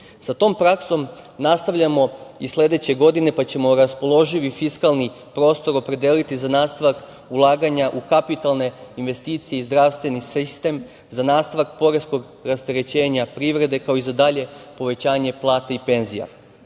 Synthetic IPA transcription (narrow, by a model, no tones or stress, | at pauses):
sat̪o̞ːmpɾakso̞mnast̪aʋʎʲamo̞isle̞d̪e̞t͡ɕe̞ɡo̞d̪ine̞pat͡ɕe̞mo̞ɾaspo̞lˠo̞ʒiʋifiskalˠni | pɾo̞ːst̪o̞ɾo̞pɾe̞d̪elit̪izanaːst̪aʋak | ulˠaːɡaɲaʔukapit̪alˠne̞inʋe̞st̪iːt̪sije̞izd̪ɾaʋst̪ʋe̞nisist̪e̞m | zanaːst̪aʋak̚po̞ɾesko̞ɡ | ɾast̪eɾe̞t͡ɕe̞ːɲapɾiʋɾe̞d̪e̞kao̞izad̪aʎe̞po̞ʋe̞t͡ɕaːɲe̞plˠaːt̪aipe̞nzija̰